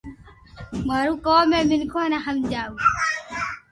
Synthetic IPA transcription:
mɐɾuːkoːmeːmɪnkʰoːnaɦɐmd͡ʒaːu

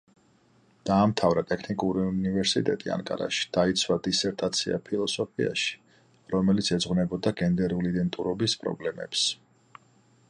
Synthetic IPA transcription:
d̪̥aːmt̪ʰavɾat̪ʼɛkʰnikʼuɾiunivɛɾsit̪ʼɛt̪ʼḭa̰ŋkʼa̰ɾa̰ʃi̥d̪̥ait̪sʰwad̪isɛɾt̪ʼat̪sʰia̰pʰilˠɔsɔpʰia̰ʃi̥ | ɾɔmɛlit̪sʰɛd̪zʁwnɛbɔd̪aɡɛnd̪ɛɾuliːd̪ɛnt̪ʼuɾɔbispʼɾɔ̰blɛmɛ̰ps

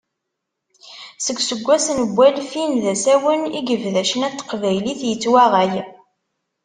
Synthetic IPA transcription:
səɡsəɡʷːæsnəɡʷːælfinðæsæwəniɡəvðæʃənæt̪ːə̥qvæjliθjət͡sːwæʁæj

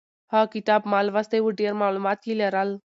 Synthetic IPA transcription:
hakit̪aːbmaːlʋast̪eʋuɖeɾmaːlumaːt̪kilɐɾal

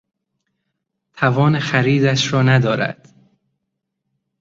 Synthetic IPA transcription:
t̪ʰævɒːnexæɾiːd̪æʃɾɒːnæd̪ɒːɾæ̰d̪̥

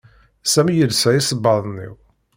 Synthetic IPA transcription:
sæmjəlsæisəbːɑðˤnːḭw

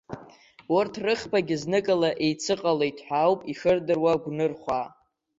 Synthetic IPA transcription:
wʊrtʰrɨχpʰaɡʲɪznɨkʼalaʔejt͡sʰɨqʼalejtʰħʷᶣawpʼiʂɨrdɨrwaɡʷnɨrχʷa

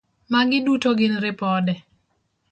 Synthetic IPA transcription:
maɡɪdutoɡɪnɾɪpɔdɛ

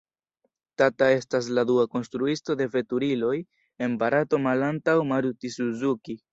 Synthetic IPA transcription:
tatae̞stas̬laduako̞nstɾuisto̞de̞ve̞tuɾilo̞j | e̞nbaɾato̞malantawmaɾutisuzuki

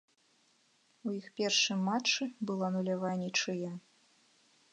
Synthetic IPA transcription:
ujixpʲɛrʂɨmːat͡ʂɨbɨlˠɔnulʲavanʲit͡ʂɨjɛ

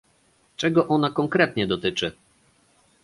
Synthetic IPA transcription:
t͡ʂɛɡɔʔɔnakɔŋkɾɛt̪ɲɛd̪ɔt̪ɘt͡ʂɘ

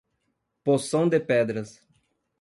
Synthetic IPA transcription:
posɐ̃w̃d̪epɛd̪ɾɐs

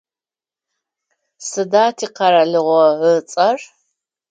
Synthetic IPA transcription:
sɨdaːtʰiːqɐɾɐɮɨʁʷɔət͡sʼɐr

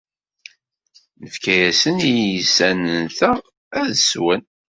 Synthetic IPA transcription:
nəfkæjæsənijəsænənθæ | æðəswən

